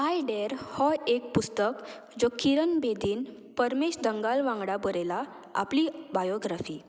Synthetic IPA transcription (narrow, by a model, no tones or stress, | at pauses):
ɦajɖeɾhɔek̚pust̪ək | d͡zokiɾənbed̪iːn | pəɾmeɕd̪əŋɡalʋãŋɡɽabəɾela | a̰plibajoɡɾafiː